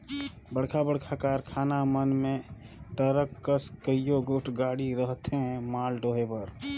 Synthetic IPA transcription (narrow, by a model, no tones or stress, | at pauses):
bəɽkʰabəɽkʰakaɾkʰaːnamənme | ʈəɾəkːəskəijoɡoʈʰɡaːɽiɾəɦt̪eɦmaːlɖoɦepəɾ